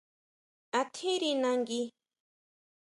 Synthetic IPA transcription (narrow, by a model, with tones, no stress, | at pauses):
a˨t̪ʰi˦ɾina˧ŋɡi˦